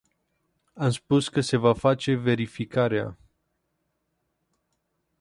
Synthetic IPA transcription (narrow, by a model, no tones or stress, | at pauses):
amspuskəse̞vafat͡ʃe̞ve̞ɾifikaɾea̰